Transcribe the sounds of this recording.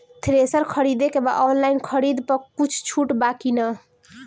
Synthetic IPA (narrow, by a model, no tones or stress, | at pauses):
t̪ʰɾesəɾkʰəɾid̪ekebaʔɔnlainkʰəɾid̪pəkut͡ʃʰt͡ʃʰuʈbakinə